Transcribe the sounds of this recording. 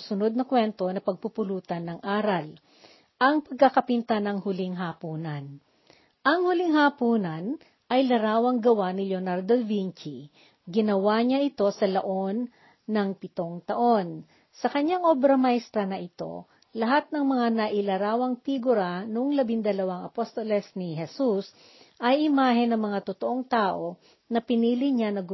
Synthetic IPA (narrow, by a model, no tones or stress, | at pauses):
sʊno̞d̪̚nɐkwɛnt̪o̞nɐpɐɡ̚pupʊluːt̪ɐnːɐŋʔaːɾɐl | ʔɐŋpɐɡ̚kɐkɐpɪnt̪anɐŋhʊlɪŋɦaːpuːnɐn | ʔɐŋhʊliŋhapuːnɐn | ʔɐjlɐɾaːwɐŋɡɐwanɪlonaɾd̪olvint͡ʃi | ɡɪnɐwaɲaʔɪt̪o̞sɐlɐʔo̞nː | ɐŋpɪt̪o̞ŋt̪ɐʔo̞n | sɐkɐɲaŋʔobɾɐmajst̪ɾɐnɐʔɪt̪o̞̰ | lɐɦat̪̚nɐŋmɐŋanɐʔɪlɐɾaːwɐŋt̪iɡʊɾanoŋlɐbind̪ɐlɐwaŋɐpost̪olɛsniɦɛsus | ʔɐjʔɪmaːɦɛnɐŋmɐŋat̪ʊt̪oʔoŋt̪aːʔo̞ | nɐpɪniːlɪɲanɐɡ